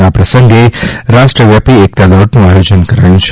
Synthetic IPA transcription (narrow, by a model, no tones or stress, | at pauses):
apɾɐsəŋɡeɾaːʂʈɾɐʋjaːpiek̚t̪aloʈnũaːjod͡ʒənkɐɾaːjũt͡ʃʰ